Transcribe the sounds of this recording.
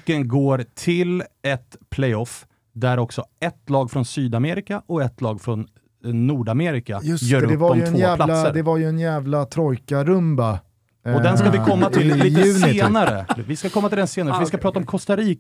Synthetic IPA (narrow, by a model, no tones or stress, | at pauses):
kːənɡoːɾt̪ʰɪlɛt̪pʰlɛjɔf | d̪æɾɔksɔɛt̪ːlɑːɡfɾɔnsyːd̪ameːɾɪkaʔɔɛt̪ːlɑːɡfɾɔnː | uːɖameːɾɪkajjœːɾɵɛvadɔvoːælasːəɾd̪ɛvaɾjɵɛnjæːvlat̪ʰɾɔjkaɾɵmba | ɔd̪ɛnskavɪkʰɔmːat̪ʰɪlliəʉːsɪeːnaɾəvɪskakʰɔmːat̪ɪlɛnseːnaɾsvɪskapʰɾɑːt̪aɔmkʰɔst̪aɾiːk